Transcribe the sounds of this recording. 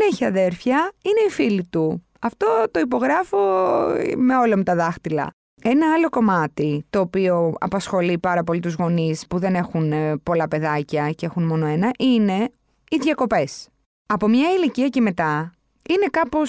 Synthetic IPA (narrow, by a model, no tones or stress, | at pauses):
neçiɐðe̞ɾfçɐine̞ifilit̪u | ɐft̪o̞t̪o̞ipo̞ɣɾɐfo | me̞o̞lɐmut̪ɐðɐxt̪ilɐ̰ | e̞nɐɐlo̞ko̞mɐt̪it̪o̞ːpio̞ɐ̰pɐsxo̞lipɐɾɐpo̞lit̪uzɣo̞nispuðe̞ne̞xunpo̞lɐpe̞ðɐcɐcee̞xunmo̞noe̞nɐʔine̞ | iðʝɐko̞pe̞s | ɐpo̞mɲɐiliciɐce̞me̞t̪ɐ | ine̞kɐpo̞s